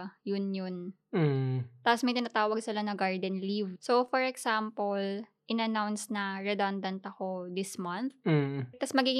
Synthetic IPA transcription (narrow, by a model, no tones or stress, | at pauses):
jʊnjʊn̩ | t̪apɔsmɐɪt̪ɪnaːt̪aːwɐɡsɪlanɐɡaɹd̪ɛnlivsofɔɹɛksampolʔɪnɐnawnsnɐɹɛd̪ond̪ɐnt̪ɐkod̪ɪsmɐnθ̩t̪ɐsmɐɡiːɡɪ